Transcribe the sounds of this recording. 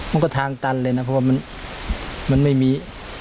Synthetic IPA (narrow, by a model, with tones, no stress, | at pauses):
ma˧˥˨kɔ˥˩t̪ʰaː˧ŋt̪a˧˨nlɤː˧˩jna˧˥pʰɔ˧˩waː˧ma˧˥n | ma˧˥˨nma˥˩jmiː˧˥